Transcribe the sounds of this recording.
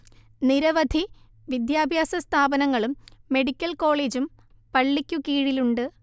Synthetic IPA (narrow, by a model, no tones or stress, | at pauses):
niɾɐʋɐd̪ʱi | ʋid̪jaːbʱjaːsɐst̪ʰaːbɐnɐŋːɐɭumːe̞ɽikʲːɐlko̞ːɭe̞ːd͡ʑum | pɐɭːikʲːukiːɻiluɳɖɨ